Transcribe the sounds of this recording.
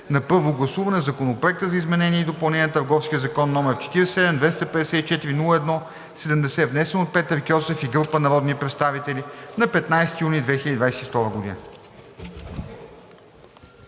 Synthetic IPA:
nɐpɤɾvoɡlˠɐsuvɐnɛzɐkonopɾoɛk̚t̪əzɐizmɛnɛnʲiɛid̪opɐlˠnɛnʲiət̪əɾɡɔfskʲiəzɐkɔnːɔmɛft͡ʃɛ̥t̪iɾɛsɛd̪ɛmd̪vɛst̪əpɛd̪ɛsɛit͡ʃɛt̪iɾinulˠəɛd̪nɔ | sɛd̪ɛmd̪ɛsɛvnɛsɛnot̪̚pɛt̪ːəɾkʲɔsɛfiɡɾɤpənɐɾɔd̪nipɾɛt̪st̪avit̪ɛlʲinɐpɛt̪najsɛt̪ijunid̪vɛxilʲəd̪id̪vajsɛt̪ift̪ɔɾəɡod̪ḭnə

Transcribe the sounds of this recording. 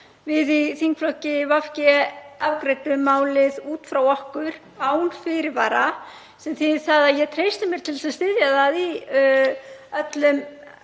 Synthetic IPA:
vɪðiθiŋkflɔhcɪvafcɛavkɾeːjt̪ʏmaːwlɪðuːt̪fɾawɔhkʏɾ̥ | aːwnfɪɾɪɾvaːɾa | sɛmθiθaðaðjɛɣt̪ʰɾeːjst̪ɪmjɛɾ̥t̪ʰɪlsaðst̪ɪðjaðaði | œt̪lʏm

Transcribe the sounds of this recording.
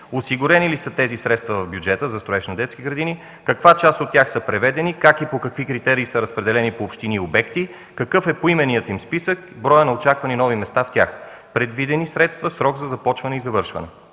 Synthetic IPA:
osiɡʊɾɛnilisət̪ɛzisɾɛt̪st̪vɐvɐvbjud͡ʒɛt̪əzɐst̪ɾʊɛʃnɐd̪ɛt̪skʲiɡɾɐd̪ini | kɐkvat͡ʃast̪ot̪ʲːjaxsəpɾɛvɛd̪ɛnikakipokɐkvikɾit̪ɛɾiːsəɾəspɾɛd̪ɛlɛnipoːpʃt̪iniobɛkt̪i | kɐkɤfɛpoimɛnijət̪imspisək | bɾɔjənɐot͡ʃakvɐninɔvimɛst̪aft̪ʲax | pɾɛd̪vid̪ɛnisɾɛt̪st̪vəsɾɔɡzɐzɐpɔt͡ʃvɐnɛizɐvɤɾʃvɐ̰nɛ

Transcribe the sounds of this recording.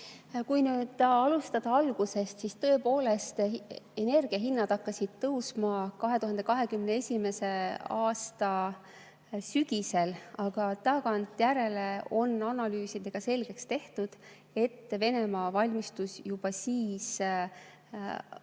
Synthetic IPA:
kujnyːd̪̥ɑɑlust̪ɑd̪̥ɑɑlɡ̥use̞st̪sist̪ɤ̞epo̞ːle̞st̪e̞ne̞rɡ̥iɑɦinːɑd̪ɑkːɑsid̪̥̚t̪ɤwsmɑkɑɦe̞t̪uɦɑnd̪̥e̞kɑɦe̞kymneesʲime̞se̞ɑːst̪ɑ | syɡ̥ise̞lɑɡ̥ɑt̪ɑɡ̥ɑnt̪jæɾe̞le̞o̞nːɑnɑlyːsid̪̥e̞ɡ̥ɑse̞lɡ̥e̞kst̪e̞ht̪ud̪̥ | e̞t̪ːve̞ne̞mɑːvɑlʲmist̪usjub̥ɑsiːs

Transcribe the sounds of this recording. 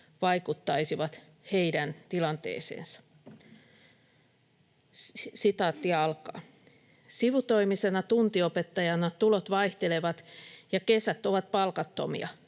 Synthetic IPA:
ʋɑikut̪ːɑisiʋɑt̪ | heidænt̪ilɑnt̪ḛːsḛːnsɑ̥ | sit̪ɑːt̪ːiɑlkɑ̰ː | siʋut̪o̞imisenɑt̪unt̪iopet̪ːɑjɑnɑt̪ulot̪ʋɑiht̪eleʋɑt̪jɑkesæt̪ːo̞ʋɑt̪̚pɑlkɑt̪ːo̰mḭɑ

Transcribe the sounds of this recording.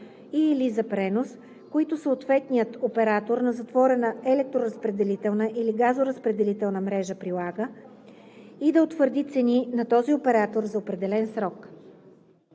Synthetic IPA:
ilizɐpɾɛnos | koit̪ʊsəot̪vɛt̪nʲijət̪opɛɾat̪oɾnɐzɐt̪vɔɾɛnəɛlɛk̚t̪ɾoɾəspɾɛd̪ɛlit̪ɛlˠnəʔiliɡazoɾəspɾɛd̪ɛlit̪ɛlˠnəmɾɛʒəpɾilˠaɡə | id̪ɐot̪vəɾd̪it̪sɛninɐt̪ɔziopɛɾat̪oɾzɐopɾɛd̪ɛlɛnsɾɔk

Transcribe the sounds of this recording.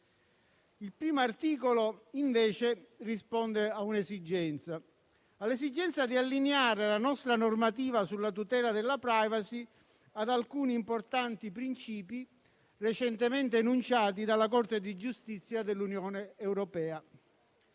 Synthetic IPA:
ilpɾiːmoart̪iːkoloiɱveːt͡ʃerispɔnd̪eaunesid͡ʒɛnt̪sa | alːesid͡ʒːɛnt̪sad̪ialːineaːɾelanɔst̪ɾanormat̪̬iːvasulːat̪ut̪ɛːlad̪elːapɾajvasi | ad̪alkuːniːmport̪ant̪ipɾint͡ʃiːpi | ret͡ʃɛnt̪ement̪eanunt͡ʃaːt̪̬id̪alːak̬ɔrt̪ed̪id͡ʒust̪it̪sːjad̪elːunjɔːneːwɾɔpɛːa

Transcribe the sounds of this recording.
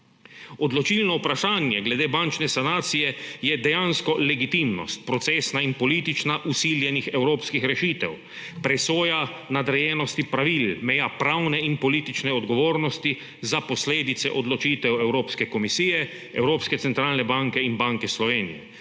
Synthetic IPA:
ɔd̪lɔt͡ʃiːlnɔupɾaʃaːnjɛɡlɛd̪eːbant͡ʃnɛsanaːt̪sijɛjɛd̪ɛjanskɔlɛɡit̪imnɔ̰st̪̚pɾɔt̪seːsnainpɔliːt̪it͡ʃnaʔusiljɛnixɛwɾoːpskixɾɛʃiːt̪ɛw | pɾɛsoːja | nad̪ɾɛjɛːnɔst̪ipɾaʋilmɛjaːpɾawnɛinpɔliːt̪it͡ʃnɛɔd̪ɡɔʋoːɾnɔst̪i | zapɔsleːd̪it̪sɛ̰ʔɔd̪lɔt͡ʃiːt̪ɛwɛwɾoːpskɛkɔmisiːjɛ | ɛ̰wɾoːpskɛt̪sɛnt̪ɾaːlnɛbaŋkɛinbaŋkɛslɔʋeːnḭjɛ̰

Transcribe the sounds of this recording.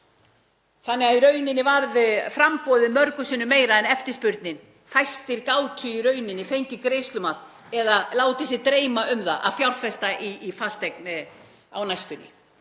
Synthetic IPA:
θanːɛɣaðiɾœɥnɪnːɪvaɾðfɾampɔðɪmœɾkʏsiːnʏmeːjɾaɛnɛft̪ɪ̥spʏɾt̪̚nɪn | fajst̪ɪɾkaːwt̪ʰʏiɾœɥnɪnːɪfejɲcɪkɾejst̪lʏmat̪ | ɛðalaːwt̪ɪs̬ɪt̪ɾeːjmaʏmðaʔa̰ðfjawɾfɛst̪aʔiːfast̪ɛk̚n | a̰wnajst̪ʏnɪ̰

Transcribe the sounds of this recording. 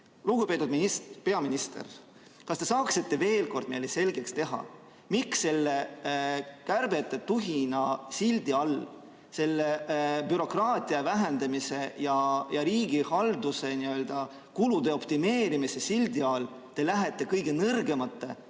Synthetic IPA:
luɡ̥upe̞ːt̪ːˑud̪minispe̞ɑminist̪ḛr | kɑst̪e̞sɑːksit̪ːe̞ve̞ːlko̞rd̪̥me̞jlese̞lɡ̥e̞kst̪e̞ɦɑ̰ | mikse̞lːe | kærb̥e̞t̪ːˑe̞t̪uɦinɑsild̪̥iɑl | se̞lːeb̥yɾo̞krɑːt̪ˑiɑvæɦend̪̥ɑmise̞jɑjɑɾiːɡ̥ihɑld̪̥use̞niø̞ld̪̥ɑ | kulud̪̥e̞o̞pt̪ime̞ːɾimise̞sild̪̥iɑl | t̪e̞læɦe̞t̪ːˑe̞kɤjɡ̥e̞nɤrɡe̞mɑt̪ːˑe

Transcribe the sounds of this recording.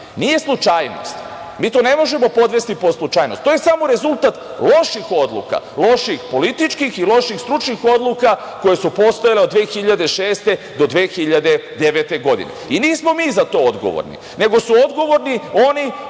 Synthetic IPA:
nije̞slˠut͡ʃaːjno̰st̪ | miːt̪one̞mo̞ʒe̞mo̞po̞d̪ʋe̞st̪iposlˠut͡ʃaːjnost̪ːojesamo̞ɾe̞zulˠt̪at̪ | lˠo̞ʃixo̞d̪lˠṵka̰lo̞ʃixpo̞lit̪it͡ʃkixilo̞ʃixst̪ɾut͡ʃnixo̞d̪luka | ko̞je̞supo̞st̪ojaleod̪ʋeːxiʎad̪e̞ʃe̞ːst̪e̞ | d̪o̞d̪ʋeːxiʎad̪e̞d̪eʋet̪e̞ɡo̞d̪ḭnḛiniːsmo̞miːzat̪o̞ːod̪ɡo̰ʋo̰ɾnḭ | ne̞ɡo̞suo̞d̪ɡo̞ʋo̞ɾnio̞ni

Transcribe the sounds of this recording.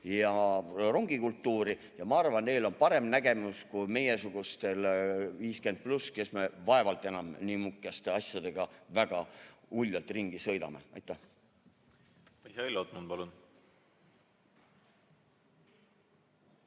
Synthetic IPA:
jɑro̞ŋɡ̥ikult̪ːuːɾi | jɑmɑɑrvɑnne̞jlo̞npɑɾe̞mnæɡe̞muskujme̞je̞suɡ̥ust̪e̞lviːske̞nd̪̚pluske̞sme̞vɑe̞vɑlt̪ːˑe̞nɑmniːmukːˑɑst̪e̞ɑsʲjɑd̪̥e̞ɡ̥ɑvæɡ̥ɑulʲjɑlt̪ˑriŋɡ̥isɤ̞jd̪ɑ̰me̞̰ɑ̰jt̪ːˑæh | iseilːot̪ːmunpɑlun

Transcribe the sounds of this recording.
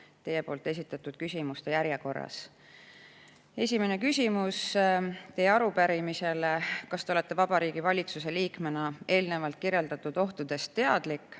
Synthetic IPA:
t̪e̞je̞po̞ːlt̪ːˑe̞s̬ʲit̪ːˑɑt̪ːˑud̪̥̚kysʲimust̪e̞jæɾjeko̞rːɑ̰s | e̞sʲime̞ne̞kysʲimust̪e̞jeɑɾupæɾimise̞lekɑst̪eo̞le̞t̪ːe̞vɑb̥ɑɾiːɡ̥ivɑlʲit̪suse̞liːkme̞nɑe̞ːlne̞vɑlt̪̚kirje̞ld̪̥ɑt̪ːˑud̪̥o̞ht̪ud̪̥e̞st̪ːe̞ɑ̰d̪̥likːˑ

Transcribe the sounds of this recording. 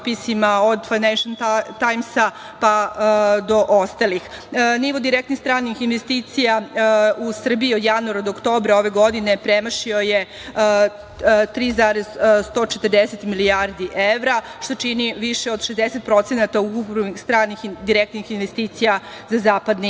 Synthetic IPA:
pisimaod̪fajnenʃant̪ajmsa | pad̪o̞ʔost̪alixniʋo̞d̪iɾekt̪nixst̪ɾaːnixinʋest̪it̪sijausr̩biiod̪januaɾad̪ookt̪o̞ːbɾaoʋe̞ɡo̞d̪ine̞pɾemaʃio̞je | t̪ɾiːzaɾezst̪o̞ːt͡ʃet̪ərd̪eset̪milijaɾd̪iʔeʋɾaʃt̪o̞t͡ʃiniʋiʃeo̞d̪ʃezd̪eset̪̚pɾo̞t̪senat̪aukupɾixst̪ɾaːnixd̪iɾekt̪nixinʋest̪iːt̪sija | zazaːpad̪ni

